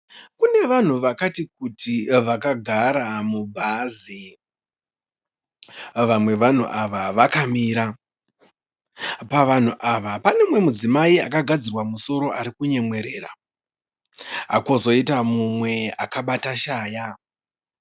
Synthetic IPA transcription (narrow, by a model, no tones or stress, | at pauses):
kune̞ʋan̤uʋakatik̚utiʋakaɡʱaɾamubʱazi | ʋamwe̞ʋan̤ṵʔaʋaʋakamiɾa | paʋan̤uʔaʋapane̞mwe̞mud͡zimaia̰kaɡʱad͡zirwamuso̞ɾo̞ʔaɾikuɲe̞mwe̞ɾe̞ːɾa | ɦa̰kozo̞itamumwe̞a̰kaɓataʃaːja